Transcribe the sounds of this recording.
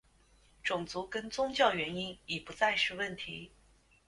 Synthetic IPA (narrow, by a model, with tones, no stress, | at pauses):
ʈ͡ʂʊ˨˩ŋt͡su˧˥kə˥nt͡sʊ˥ŋt͡ɕjɑ˥˩ʊɥɛ˧˥ni˥nɛ˨˩pu˧˥t͡sa˥˧ɪʂɻ̩˥˧wə˥˩nt̪ʰi˧˥